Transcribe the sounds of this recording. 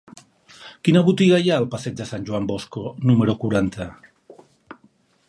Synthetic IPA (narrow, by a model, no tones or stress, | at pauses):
kinəβut̪iɣajaəlˠpasɛd͡ʒd̪əsanʲʒuamboskonuməɾokuɾant̪ʰə